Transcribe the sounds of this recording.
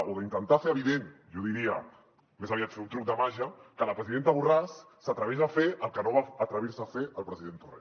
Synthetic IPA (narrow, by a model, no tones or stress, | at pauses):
ʔoðəint̪ənt̪aseɾəβ̞iðenʒoðiɾia̰ | mesaβiat̪fet̪unt̪ɾuk̚d̪əmaʒakəlapɾəziðent̪aβurasː | at̪ɾəβezafeəlˠkənoβaːt̪ɾəβiɾsafeəlˠpɾəziðent̪ore